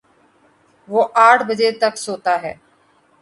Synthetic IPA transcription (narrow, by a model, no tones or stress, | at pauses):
ʋoːʔaːʈʰbəd͡ʒeːt̪əksoːt̪aːɦɛː